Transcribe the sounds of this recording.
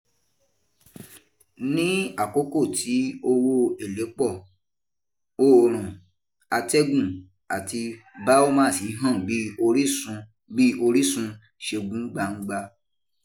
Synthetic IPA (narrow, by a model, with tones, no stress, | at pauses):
nĩ˦a˦˨ko˦ko˦˨ti˨˦o˧wo˧e˨le˨˦k͡pɔ˦˨ | o˦˨ɾ̃ũ˨ | a˧tɛ˦ɡũ˦˨ | a˨ti˧ | ba˦o˦mã˦˨si˨˦ɦã˦˨bi˨˦o˧ɾi˦sũ˧ | bi˦o˧ɾi˦sũ˧ | ʃe˧ɡũ˦ɡ͡ba˧˨ŋ̩˦ɡ͡ba˧